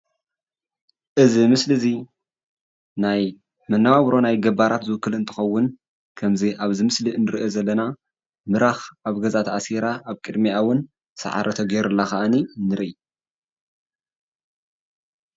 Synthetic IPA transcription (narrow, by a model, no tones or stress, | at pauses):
ʔɨzimɨslɨzi | naj | mɐnːaβaβɾo̞najɡɐbaɾat̪zɨwʊkːɨlɨnt̪ʰɨ̥xɐwːʊn | kʰɐmziʔaβzɨmɨsliɨnːɨɾɨʔezɐlːɐna | mɨɾaxaβɡɐzat̪ʰasiɾaaβkʼɨd̪miawːʊn | sɐ̰ʕa̰ɾʔɐt̪ʰɐɡeɛɾɨlːaxaʔaninɨɾii